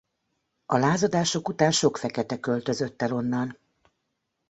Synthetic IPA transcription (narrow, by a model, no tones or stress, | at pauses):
ɒlaːzɒd̪aːʃo̞kut̪aːnʃo̞kfɛkɛt̪ɛkø̞lt̪ø̞zø̞t̪ːɛlo̞nːɒn